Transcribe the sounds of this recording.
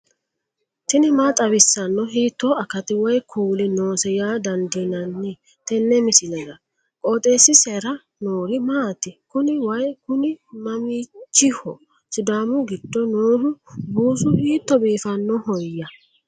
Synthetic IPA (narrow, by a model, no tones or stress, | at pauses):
t̪ɪnɪmat̪ʼɐbɪsːɐnːɔɦiːt̪ːɔɐkɐt̪ɪwɐjkʰuːlɪnoːsɛjaːd̪ɐnd̪ɪnɐnːɪ | t̪ɛnːɛmɪsɪlɐzɐ | kʼoːt̪ʼe̞ːsːɪsɛɾɐ | noːɾɪmaːt̪ɪkʊnɪwɐjkʊnɪmɐmiːt͡ʃːɪhɔ | sɪd̪aːmʊɡɪd̪̥ːɔnoːɾʊbuːsʊhiːt̪ːɔbiːfɐnːɔhɔjːɐ